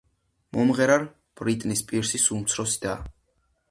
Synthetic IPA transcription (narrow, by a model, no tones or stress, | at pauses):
mɔmʁɛɾaɾ | b̥ɾit̪ʼnispʼiɾsisumt̪sʰɾɔsid̪a